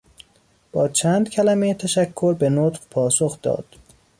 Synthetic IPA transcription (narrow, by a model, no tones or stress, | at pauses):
b̥ɒːt͡ʃʰæːnd̪̥cʲʰælæmejt̪ʰæʃækʰːo̞ɾbe̞not̪ɢpʰɒːsoxd̪̥ɒ̰ːd̪̥